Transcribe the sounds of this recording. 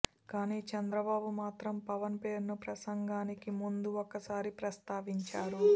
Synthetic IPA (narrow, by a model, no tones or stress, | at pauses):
kaːniːt͡ʃɐnd̪ɾɐbaːbumaːt̪ɾɐmpɐʋɐnpe̞ːɾnupɾɐsɐŋɡaːnikimund̪uokːɐsaːɾipɾɐst̪aːʋiɲt͡ʃaːɾu